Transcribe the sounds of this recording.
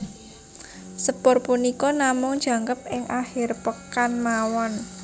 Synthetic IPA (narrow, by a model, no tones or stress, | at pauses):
səpʊrpunikɔnamʊŋd̥d͡ʒʒ̥a̤ŋkəp̚ɪŋʔahɪrpəkanmawɔn